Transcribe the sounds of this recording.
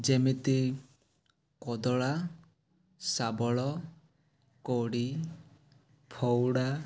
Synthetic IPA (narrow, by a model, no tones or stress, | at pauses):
d͡ʒemit̪i | kɔd̪ɔɭa | sabɔɭɔ | koɽi | pʰɔwɽa